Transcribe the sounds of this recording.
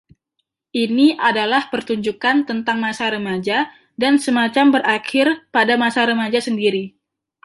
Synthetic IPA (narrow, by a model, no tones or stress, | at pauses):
ʔiniʔadalahpərt̪uɲd͡ʒukant̪ənt̪aŋmasaɾəmad͡ʒa | dansəmat͡ʃambəɾʔakɪrpadamasaɾəmad͡ʒasəndiɾi